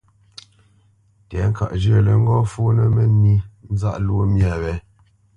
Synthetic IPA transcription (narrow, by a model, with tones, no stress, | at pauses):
tɛ˨˦ŋ̩˦ka̰˨ʔd͡ʒə˦˨lə˨ŋ̩˦ɡɔ˦fu˦nə˦mə˦ni˦n̩˦za̰˦˨ʔlwo˦mja˦˨βɛ˦